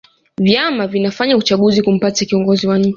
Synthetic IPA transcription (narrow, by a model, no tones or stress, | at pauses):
vjamavinafaɲaut͡ʃaɠuzikum̩patakiɔŋɡɔziwaɲt͡ʃi